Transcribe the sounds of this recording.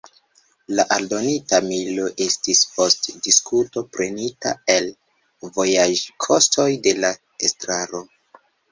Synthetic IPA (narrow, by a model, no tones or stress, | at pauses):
laʔaldo̞nitamilo̞ʔe̞stispo̞stdiskʰuto̞pɾe̞nita̰el | vo̞jaʒkʰo̞stʰo̞jde̞la | estɾaɾo̞